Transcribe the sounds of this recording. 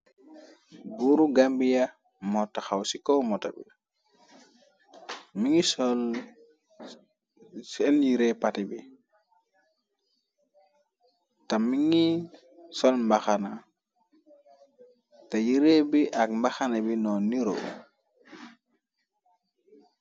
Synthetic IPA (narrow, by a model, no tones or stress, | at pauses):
buɾuɡambija | mɔtːaxawsikɔmɔtabḭ | miŋisɔl | sɛnjiɾɛpatibi | tamiŋi | sɔlmbaxana | tajiɾebiʔakmbaxanabinɔniɾo̰